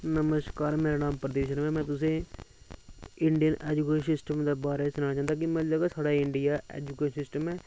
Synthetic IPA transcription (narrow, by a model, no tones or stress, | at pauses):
nəməskaːɾmeːɾaːnaːmpɾəd̪eːʃənʋɛ̃ːmɛ̃ːt̪ʊsẽː | ɪɳɖijənʔɛ̰ːd͡ʒukeːsɪsʈəmd̪eːbaːɾeːsʊnaːt͡ʃãːnd̪aːkɪmɛ̃ːd͡ʒaːɡɛːsaːɽaːɪɳɖɪjaːɛ̰ːd͡ʒukeːsɪsʈəmɛː